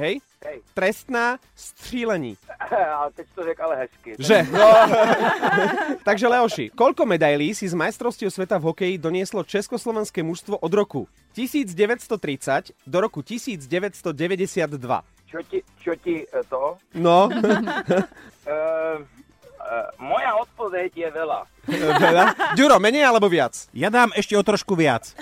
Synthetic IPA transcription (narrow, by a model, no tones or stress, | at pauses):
ɦɛj | ɦɛjt̪ɾɛst̪naː | st̪r̥iːlɛɲḭːaɛt̪ɛc̚t̪ɔɾɛkalɛɦɛskiʒɛ | t̪aɡʒɛlɛɔʃḭkɔʎkɔmɛd̪ajliːsizmajst̪ɾɔʊscɔʊsʋɛt̪avɦɔkɛjid̪ɔɲɪɛslɔt͡ʃɛskɔslɔʋɛnskɛːmuʃst̪ʋɔʔɔd̪ɾɔkṵ | cisiːd͡zɟɛʋɛcst̪ɔt̪ɾit͡sacd̪ɔɾɔkucisiːd͡zɟɛʋɛcst̪ɔɟɛʋɛɟɛsɪad̪ːʋa̰ | t͡ʃɔcit͡ʃɔcit̪ɔnɔ | mɔjaɔt̪̚pɔʋɛɟjɛʋɛla̰ | ʋɛʎaɟuɾɔmɛɲɛjalɛbɔʋɪat͡sjad̪aːmɛʃcɛɔt̪ɾɔʃkuʋɪat͡s